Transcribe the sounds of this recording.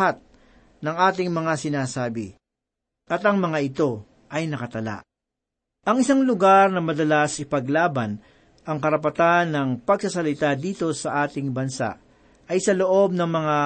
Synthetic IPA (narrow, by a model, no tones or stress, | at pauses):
at̪̚ | nɐŋʔaːt̪ɪŋmɐŋasɪnaːsaːbɪ̰ | ʔɐt̪ɐŋmɐŋaʔɪt̪o̞ | ʔɐjnɐkɐt̪ɐla̰ʔ | ʔɐŋɪsaŋlʊɡaɾnɐmɐd̪ɐlasʔɪpɐɡlaːbɐn | ɐŋkɐɾɐpɐt̪anːɐŋpɐɡsɐsɐlɪt̪ad̪iːt̪o̞sɐʔaːt̪ɪŋbɐnsa̰ʔ | ʔɐjsɐlo̞ʔo̞b̚nɐŋmɐŋa